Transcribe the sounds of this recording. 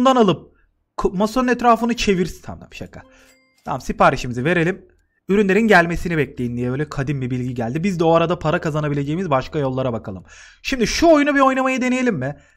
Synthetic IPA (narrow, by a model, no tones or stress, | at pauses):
und̪analˠɯp̚ | kʰumasoɯnɛt̪ɾaːfɯnɯt͡ʃʰe̞viɾst̪ʰa̰md̪a̰mʃa̰kʰːa̰ | t̪ʰa̰msipaːɾiʃimizive̞ɾe̞lʲim | yɾynlʲe̞ɾinɟælʲme̞sinibɛclʲejind̪ijɛbøjlʲɛkʰad̪imbibilʲɟiɟælʲd̪ibizd̪ɛo̞aɾad̪apʰaɾakʰazanabilʲe̞d͡ʒejimizbaʃkajo̞lˠːaɾabakʰalˠɯm | ʃimd̪iʃuojunabio̞jnamajad̪enejelʲimːɪ